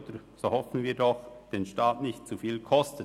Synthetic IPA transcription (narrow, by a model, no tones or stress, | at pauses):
təɾ | z̥ohɔfn̩viːdɔxd̥eːnʃtaːtnɪçtt͡sufiːlkʰɔstə